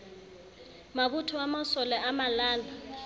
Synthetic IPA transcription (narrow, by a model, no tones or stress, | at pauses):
mak̬utʰɔamasɔlɛamalaːla